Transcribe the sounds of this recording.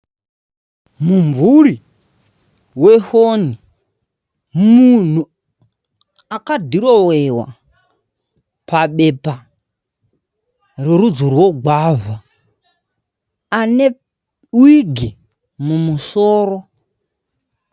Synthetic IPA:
muɱvuri | wehoni | mun̤u | akadʱiɾowewa̰ | paɓepa | reɾud͡zorwoɡwava | ane | wiɡʱi | mumusoːro

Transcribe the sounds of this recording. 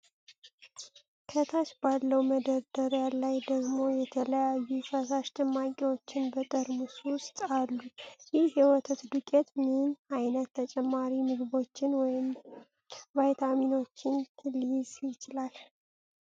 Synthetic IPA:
kʰət̪ʰat͡ʃbalːəwməd̪əɾd̪əɾjalːajd̪əɡmo̞jɛt̪ʰələjajːufəsaʃt̪ʰɨmːakʼiwot͡ʃːɪnbət̪ʼəɾmusust̪ʼalːujɪhhɛwɔt̪ʰət̪d̪ukʼɛt̪minajnət̪ːət͡ʃʼɛmːaɾimɨɡβo̞t͡ʃːɪnwɔjɪm | vajt̪ʰamino̞t͡ʃːɪnlizjɪt͡ʃɪlal

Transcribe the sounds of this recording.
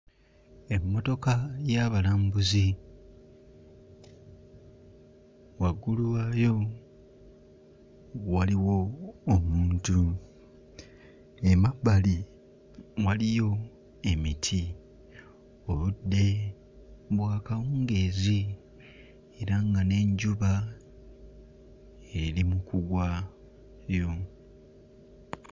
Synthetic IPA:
e̞mːo̞to̞kajaβalaːmbuzi | waɡuluwaːjo̞ | waliwo̞ːmuːntu | emabːali | walijo̞ | e̞mitʰi | o̞ludːe̞ | βwaːkawuːŋɡe̞ːzi | eɾaŋɡane̞ɲɟuβa | eɾimukuɡwa | ɾjo̞

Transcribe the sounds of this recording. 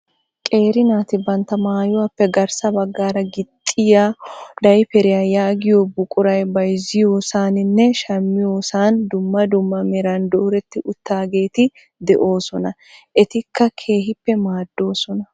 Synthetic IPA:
kʼe̞ːɾɪnaːt̪ɪbɐnt̪ɐmaːjʊwapːɛɡɐɾsɐbɐɡːaːɾɐɡɪt̪ʼːɪjaːd̪ɐjpɛɾɪjaːjaːɡɪjoːbʊkʼʊɾɐjbɐjzɪjoːsaːnɪnːɛʃɐmːɪjo̞ːsaːnd̪ʊmːɐd̪ʊmːɐmɛɾand̪oɾɛt̪ːɪʔʊt̪ːaːɡe̞ːt̪ɪ | d̪ɛʔo̞ːsɔnɐ | ʔɛt̪ɪkːɐkʰe̞ːhɪpːɛmaːd̪ːo̞ːsɔnɐ

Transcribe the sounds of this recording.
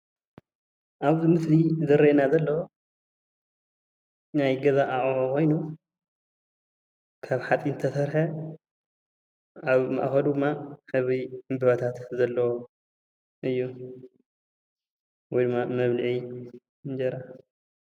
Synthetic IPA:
ʔaβzɨmɨslizɐɾɐenazɐlːɐwo | najɡɐzaʔaʔʼokʰo̞jnu | kʰaβħat͡sʼinɨt̪ʰɐsɐɾħɐ | aβma̰ʔxɐd̪uɨmːaħɨβiɨmbɨβɐt̪ʰat̪zɐlːɐwo | ʔɨjːu | wɔjd̪ɨmːamɐβlɨʕi | nd͡ʒɐɾa

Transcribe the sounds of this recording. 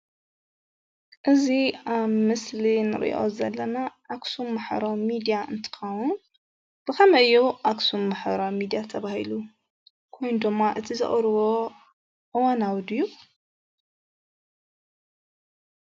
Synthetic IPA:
ʔɨziʔaβmɨslinɨ̰ɾ̰ʔo̰zɐlːɐnaʔːksumːaħɾomid̪ijaʔɨnt̪ʰɨ̥xɐwun | b̥ɨxɐmɐʔɨjoʔaksumːaħɾomid̪ijat̪ʰɐβahilu | kʰo̞jnud̪ɨmːaʔɨt̪ʰizɨ̰χʼɾɨwo | ʔɨwanawd̪ɨjːu

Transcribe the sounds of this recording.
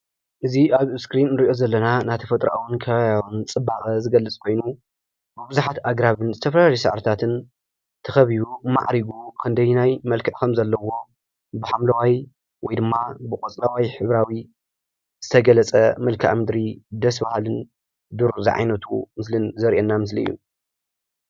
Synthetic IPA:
ʔɨziʔaβskɾinːɨɾiʔo̞zɐlːɐnanat̪ʰɐfɐt̪ʼɾaʔawunkʰɐβaβjawunt͡sʼɨbaxʼɐzɨɡɐlːɨt͡sʼkʰo̞jnu | bɨbɨzuħat̪aɡɾaβɨnzɨt̪ʰɐfɐlalesɐ̰ʕɾt̪ʰat̪ʰɨn | t̪ʰɐxɐβiβuma̰ʕɾiɡukʰɨnd̪ɐjnajmɐlkʰɨʕkʰɐmzɐlːɐwo̞ | bɨħamlɐwaj | wɔjd̪ɨmːabɨkʼot͡sʼlawajħɨβɾawi | z̥ɨt̪ʰɐɡɐlɐt͡sʼɐmɐlkʰʔa̰mɨd̪ɾid̪ɐsbahlɨn | d̪uɾzḭʕa̰jnɐt̪ʰumɨslɨnzɐɾʔɛnːamɨsliɨ̰jːṵ

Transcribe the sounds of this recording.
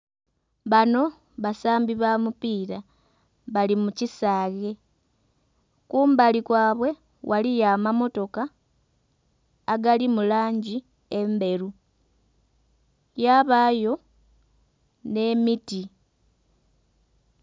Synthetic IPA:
βano̞ | βasaːmbiβamupiːɾa | βalimucisaːɣe̞ | kuːmbalikwaːβwe̞ | wʔalijamamo̞to̞ka | ɡalimulaːɲɟi | e̞mbe̞ɾu | jaβajo̞ | ne̞miti

